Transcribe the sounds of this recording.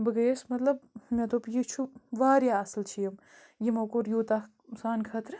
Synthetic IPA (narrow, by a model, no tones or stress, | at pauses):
bɨɡɐsmɐt̪lɐb̚met̪opjit͡ʃʰuʋaːɾjaːɐslt͡ʃʰijɐm | jimɐkoɾjuːt̪a | saːnkʰɐːt̪ɾɨ